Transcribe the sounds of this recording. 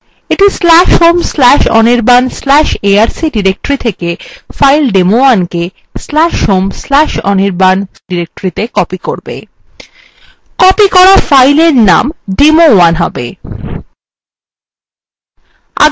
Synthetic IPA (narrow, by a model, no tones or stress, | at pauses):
eʈislɛʃhomslɛʃɔ̰niɾbanslɛʃeaɾsiɖiɾek̚ʈoɾit̪ʰekefajlɖemoanke | slaʃhomslɛʃɔ̰niɾban | ɖiɾek̚ʈoɾit̪ekɔpikoɾbḛ | kɔpikɔɾafajleɾna̰mɖemowanɦɔ̰bḛ | a̰